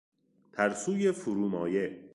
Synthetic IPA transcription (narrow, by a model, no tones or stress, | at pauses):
t̪ʰæɾsuːjefuɾuːmɒːje